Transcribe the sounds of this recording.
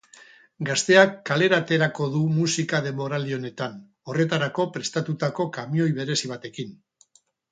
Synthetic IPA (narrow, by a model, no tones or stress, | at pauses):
ɡast̪e̞akːale̞ɾat̪e̞ɾako̞ðumusikað̞e̞mo̞ɾald̪io̞ne̞t̪an | o̞re̞t̪aɾako̞pɾe̞st̪at̪ut̪ako̞kamio̞jβe̞ɾe̞siβ̞at̪e̞kin